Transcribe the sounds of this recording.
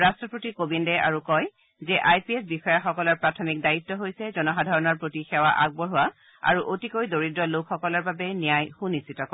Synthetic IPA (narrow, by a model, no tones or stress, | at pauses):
ɹastɹɔpɹotikobindɛʔa̰ɹukɔj | zɛʔajpiesbixɔjaxɔkɔlɔɹpɹatʰɔmik̚daitːɔɦojsɛzɔnɔxadʱaɹɔnɔɹpɹotixɛwaʔaɡ̚bɔɹuwa | a̰ɹuʔotikojdoɹidɹɔlokxɔkɔlɔɹbabɛnijajxunisitɔkɔ